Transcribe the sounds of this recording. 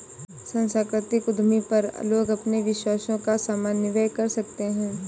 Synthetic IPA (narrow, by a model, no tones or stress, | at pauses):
sɐ̃nsaːkɾɪt̪ɪkʊd̪ʱmipɐɾ̰loːɡɐpneʋɪʃwaːsõkasaːmaːnːɪʋəjkɐɾsɐk̚t̪eɦɛ̃ː